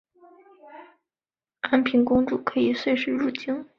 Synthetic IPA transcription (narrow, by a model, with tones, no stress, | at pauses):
a˥npʰi˧˥nkʊ˥ŋʈ͡ʂu˥˩kʰɤ˧˥i˨˩swe˥˧ɪʂɻ̩˥ɻu˥˩t͡ɕi˥ŋ